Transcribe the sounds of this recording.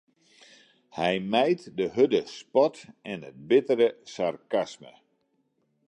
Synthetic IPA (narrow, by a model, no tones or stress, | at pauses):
hɛjmɛjtdəɦødəspɔtɛnət̚bɪtəɾəsarkasmə̰